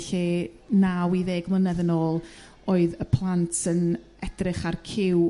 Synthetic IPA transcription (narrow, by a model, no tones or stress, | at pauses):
ɬi | nawiðeːɡmlənɛðənoːlˠ | oːɨðəpʰlˠantʰən | ɛd̥rɪχarkʰɪw